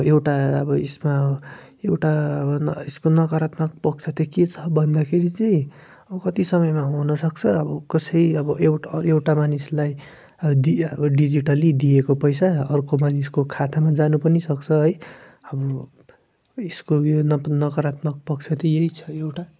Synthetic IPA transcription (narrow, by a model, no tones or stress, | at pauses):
ewʈaʌbʌesma | ewʈaʌbʌneskonʌkɾat̪mʌk̚pʌk̚t͡sʰʌt̪ʌket͡sʰʌ̥bʱʌnd̪akʰeɾit͡sʌĩ | ʌbʌkʌt̪isʌmʌjmaɦonʌsʌk̚t͡sʰʌʌbʌkʌsʌjʌbʌewewʈamanislaj | ʌd̪iʌbʌɖid͡ziʈʌlid̪iekopʌjsaʌrkomaniskokʰat̪ʰamad͡zanupʌnisʌk̚t͡sʰʌɦʌj | ʌbʌ | eskojonʌnʌkɾat̪mʌk̚pʌk̚t͡sʰʌt̪ʌjeɦit͡sʰʌ̥ewʈa